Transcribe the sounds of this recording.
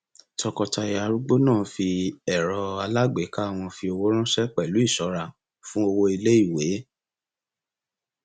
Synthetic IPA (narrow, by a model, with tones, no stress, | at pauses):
tɔ˧kɔ˧ta˧i˨ja˧ɾu˦ɡ͡bo˦nãː˦˨fi˧ɛ˨ɾɔ˧a˧la˦ɡ͡be˨˦ka˦a˧˨w̃ɔ̃˧fi˧o˧wo˦ɾ̃ã˦ʃɛ˦k͡pɛ˦˨lu˨˦i˦˨ʃɔ˨˦ɾa˧˨ | fũ˦o˧wo˧i˧le˦i˦˨we˨˦